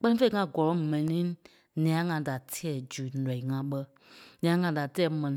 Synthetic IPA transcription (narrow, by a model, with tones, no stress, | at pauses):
k͡pɛ˦nĩ˦fe˦i˨ŋã˨ɡɔ˨lɔ̃˨˦mɛ̃˨nĩ˨˦ | nĩ˨ã˨˦ŋã˨da˨tʰi˦ɛ˨d͡ʒu˨nɛ̃˨i˨ŋã˧ɓə˧ | nĩ˨ã˨˦ŋã˧da˨tɛː˦˨mɛ̃˨nĩ˨˦